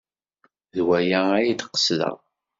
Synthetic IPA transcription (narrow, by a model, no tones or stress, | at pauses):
ðwæjææjid̪qːə̥sðə̰ʁ